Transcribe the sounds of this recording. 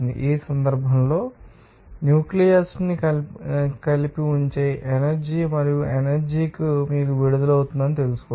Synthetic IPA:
nd̪ḭʔiːsɐnd̪ɐɾbʱɐmlo̞ː | njuːklijɐɾsni | kɐlipiuɲt͡ʃeːʔenɐɾd͡ʒiːmɐɾijuʔenɐɾd͡ʒiːkimiːɾuʋiɽud̪ɐlɐwt̪und̪ɐnit̪e̞lusu̥kɔ

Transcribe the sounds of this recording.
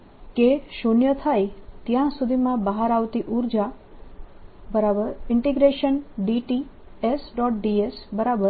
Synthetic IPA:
keʃonjət̪ʰajt̪jãsud̪ʱimãbaɦaɾaʋt̪iʔuɾd͡ʒa | bəɾabəɾɪɳʈiɡɾeʃənɖiʈi | esɖɔʈ̚ɖiesbəɾabəɾ

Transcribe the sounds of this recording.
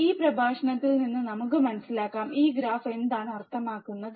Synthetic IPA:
iːprɐbʱaːʂɐɳɐt̪ːilninːɨnɐmuk̬ːɨmɐnɐsːilaːkːaːmiːɡɾaːfe̞nd̪aːɳɨɐrt̪ʰːɐmaːkːunːɐðɨ

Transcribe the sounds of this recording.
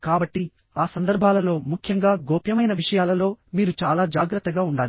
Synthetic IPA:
kaːbɐʈːi | aːsɐnd̪ɐɾbʱaːlɐlo̞ːmukʰjɐŋɡaːɡoːpjɐmɐjnɐʋiʂɐjaːlɐlo̞ːmiːɾut͡ʃaːlaːd͡ʒaːɡɾɐt̪ːɐɡaːuɳɖaːli

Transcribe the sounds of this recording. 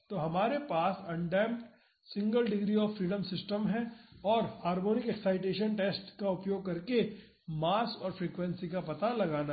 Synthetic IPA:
t̪oɦɐmaːɾepaːsɐ̃ɳɖɛːmʈ | sɪ̃ŋɡəlɖɪɡɾiɔːfɾiːɖəmsɪsʈəmɦɛ̃ɔːɾhaːɾmoːnɪkɛksaːɪʈeːʃənʈeːsʈkaʊpjoːɡ̚kɐɾke | maːskɔːɾfɾeːkʋɛ̃nsikapɐt̪alɐɡaːna

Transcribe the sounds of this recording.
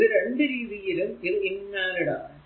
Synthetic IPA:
ðɯɾɛɳɖɯɾiːðɪjɪlɯmk̪ɪɾɪnːaːɾɐɽaː

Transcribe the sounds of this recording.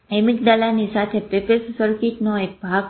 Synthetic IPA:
emikd̪alanisat̪ʰepepessəɾkiʈnoek̚bʱaɡ

